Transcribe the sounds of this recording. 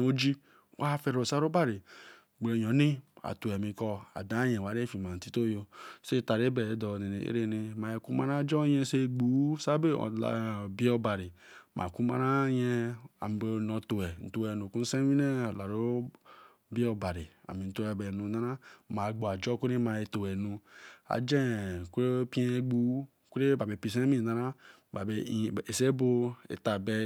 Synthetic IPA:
o˦d͡ʒi˦ | wʔa˦fɛ˨ɾo˨sa˦ɾo˦ba˦˨ɾi˨ | ɡ͡bɾe˨jɔ˨˦ni˦a̰˨to˨ɛ˨mĩ˨kɔ˦a̰˨da˦jɛ̃˨wa˨ɾe˦fi˨ma˨n̩˨ti˦to˦jo˦se˦˨ta˨ɾe˦bɛ˨dɔ˨ne˨ne˨ḛ˦ɾe˦˨ni˨ma˨e˨ku˦ma˦ɾa˦d͡ʒɔ˦jɛ˦se˦˨ɡ͡bu˨˦sa˦be˦ɔ̰˨la̰˨bi˦o˦ba˨ɾi˨mʔa̰˨ku˦ma̰˦ɾa˦jɛ˦a̰˨m˨be˨no˨to˨ɛ˨n̩˨to˨we˨nu˨ku˦n̩˦sẽ˦wi˦ne˦˨la˨ɾo˦ | bi˦o˨ba˨ɾi˨a̰˨mi˨n̩˨to˨˦ɛ˨be˨nu˨na˦ɾa˦ma˨ɡ͡bo˨a˨d͡ʒɔ˦kʷu˦ɾi˦ma˨e˨to˨wɛ˨nu˨a̰˨d͡ʒẽ˦˨kʷu˦ɾe˦pi˦e˦e˦ɡ͡bu˨˦ | kʷu˦ɾe˦ba˨be˨pi˨s̬ẽ˦mi˨na˨ɾa˦ | ba˨be˨e˨se˦bo˦ḛ˨ta˨be˦

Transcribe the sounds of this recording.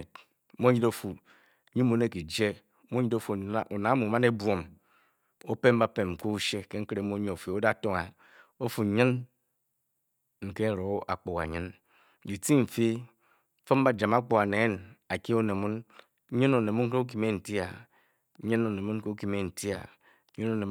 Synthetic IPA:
t | m˦o˦ɲi˦do˦fu˨˦ | ɲi˦mo˨n˦e˦ki˨d͡ʒe˦ | mo˦ɲi˦do˦fu˨˦˨ʔo˨na˨˦mu˨ma˦ne˦bʷo˨m | o˦pe˦m˦ba˦pe˨m̩˨ko˦u˦ʃe˦ke˦ŋ̩˦kɾe˨m˦o˦ɲi˦o˨fe˨o˦da˦˨to˦ŋa˨ | o˦fu˨ɲɨ˦n | ŋ̩˨ke˦˨ɾo˨˦a̰˨k͡po˨ka̰˨ɲɨ˦n | di˨ti˦m̩˨fi˦ | fo˦m˦ba˦d͡ʒa˨ma˦k͡po˨ka˨ne˨˦na˨ki˦o˦ne˨mu˦n˦ | ɲɨ˦no˨ne˨mu˦ŋ˦e˦u˦k̬i˨˦me˦n̩˨ti˦a̰˨˦ | ɲɨ˦no˨ne˨mu˦ke˦u˦ki˦me˦n̩˨ti˦a̰˨˦ | ɲi˦no˨ne˨

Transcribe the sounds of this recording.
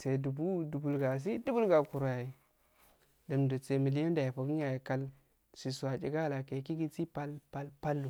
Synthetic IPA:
se˨du˨bu˦du˨bu˨lɡa˨s̬i˦du˦bu˦lɡa˨ku˨ɾa˨i˨ | da˨mdo˨t͡se˨mi˨li˦jo˦nda˨ji˨po˨ɡi˦a˨ji˨ka˦l | si˨su˨wa˨t͡ʃḭ˨ɡa˦˨la˨ke˨˦ki˦ɡi˦t͡si˦pa˦lpa˦lpa˦lːu˨

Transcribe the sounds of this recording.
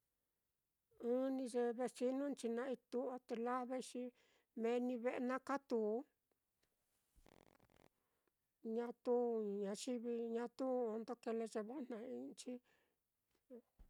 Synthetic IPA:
ɨ̃˦nĩ˧ʐe˧βe˧si˧nũ˦nt͡ʃi˧nã˧i˧t̪u˧˦a˧t̪e˧la˦βe˦˧ʃi˧ | mẽ˧nĩ˧βe˦ʔe˧nã˦ka˦t̪u˧˦ | ɲã˧t̪u˦˨ɲã˧t͡ʃi˦βi˧ɲã˧t̪u˦o˧nd̪o˦ke˧le˧ʐe˧βa˦n̥nã˧ĩ˧t͡ʃi˦

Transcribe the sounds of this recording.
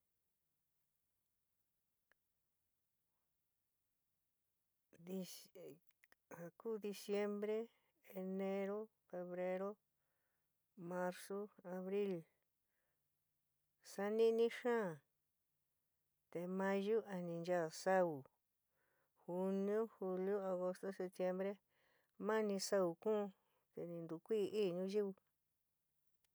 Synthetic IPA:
i˧ | ha˨kuː˦˨ði˧sje˧˦mbɾe˦ | e˧nẽ˧ɾo˦ | fe˧βɾe˧ɾo˦ | mã˧ɾso˦a˧βɾi˦l | sa˧˦nĩ˦nĩ˦ʃã˦˨ | t̪e˨mã˦˧ʒu˦ʔa˨nĩ˧nd͡ʒa˦˨sa˦u˨ | hu˧nĩ˦õ˦hu˧ljo˦a˧ɣo˧st̪o˦se˧p̚t̪je˧mbɾe˦ | mã˦nĩ˧sa˦u˧kũː˦˧ | t̪e˨nĩ˧nd̪u˨kʷi˦˧ʔiː˦˨ɲũ˦ʒi˦βu˧

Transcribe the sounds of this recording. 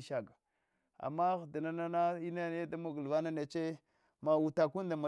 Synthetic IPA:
ʃa˦ɡa˨ | a̰˨mːa˦ɣda˨na˦na˦na˦i˦na˦n˦e˦da˦mu˦ɡu˨lva˦na˦ne˨t͡ʃe˦ | ma˨wu˨ta˨ku˦nda˨ma˨

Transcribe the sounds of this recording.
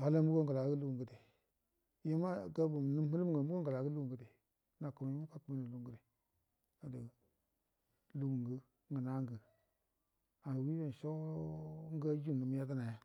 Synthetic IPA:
a˦la˦mu˦ko˦ŋɡə˨la˨˦ɡə˦lu˦u˨ŋɡə˨de˨ | je˦ma˦ɡa˦bu˨m˨nu˦m˦hə˦lm˨ɡə˨˦mu˦ko˦ŋɡə˨la˨˦ɡə˦lu˦u˨ŋɡə˨de˨ | na˨ku˨m˨ji˦m˦ka˦ku˦m˦ni˨lu˦˨˦ɡə˦de˨ | a˨də˨ | lu˦mu˨ŋɡə˦ | ŋɡə˨na˦ŋɡə˨ | a˨wi˦be˨n˨ʃo˦ | ŋ˦ɡa˦d͡ʒu˦˨nu˨m˦ja˦ta˦na˨ja˦

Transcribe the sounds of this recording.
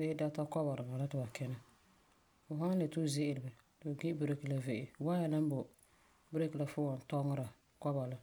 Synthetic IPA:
dɪ˦da˦ta˦kɔ˦ba˨ɾɨ˨ba˨la˦tɨ˨ba˨kɛ˦na˦ | fʊ˨ɦa˦n˦le˨tu˦zɪ˦ʔɪ˨lɪ˨ɨ˨ | dɨ˨ɡi˦bɨ˦ɾe˦ki˨la˨ve˨ʔɪ˨wa˦ja˨la˦m˦bʊ˨ | bɨ˦ɾe˦ki˨la˨fʊ˦wɔ˨n˨tɔ˦ŋɨ˦ɾa˨ | kɔ˦ba˨la˨

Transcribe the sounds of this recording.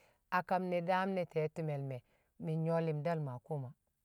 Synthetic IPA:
a˨ka˨mne˨da˦mne˨te˨˦tu˦me˨lme˨ | mi˨ɲo˦li˨mda˦lma˨ku˦ma˨

